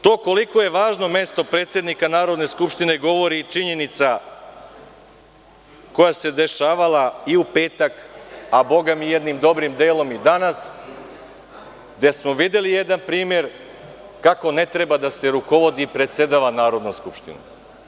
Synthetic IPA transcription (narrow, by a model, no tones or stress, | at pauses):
t̪o̞ːko̞liko̞je̞ʋaːʒno̞me̞st̪o̞pɾeːt̪sje̞d̪nikanaːɾo̞d̪ne̞skupʃt̪ine̞ɡo̞ʋo̞ɾit͡ʃiɲe̞nit̪sa | ko̞jase̞d̪e̞ʃaːʋalˠaiupe̞ːt̪akabo̞ɡamijed̪nimd̪o̞bɾimd̪eːlo̞mid̪anas | ɡd̪esmo̞ʋid̪e̞lijed̪anpɾiːmjeɾ | kako̞ne̞t̪ɾebad̪ase̞ɾuko̞ʋo̞d̪iːpɾe̞t̪se̞d̪aʋanaːɾo̞d̪noskupʃt̪ḭnṵ